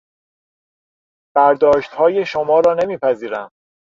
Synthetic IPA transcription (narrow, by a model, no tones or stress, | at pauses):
b̥æɾd̪ɒːʃt̪hɒːje̞ʃomɒːɾɒːne̞miːpʰæziːɾæ̰m